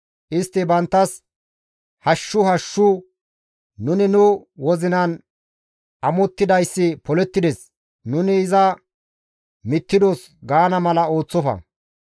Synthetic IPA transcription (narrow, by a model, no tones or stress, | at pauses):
ʔɪst̪ːɪbɐnt̪ːɐs | hɐʃːʊhɐʃːʊ | nʊnɪnʊwɔzɪnɐn | ʔɐmɔt̪ːɪd̪ɐjsːɪpɔlɛt̪ːɪd̪ɛs | nʊnɪːzɐ | mɪt̪ːɪd̪ɔs | ɡaːnɐmɐlɐo̞ːt͡sːɔfɐ̰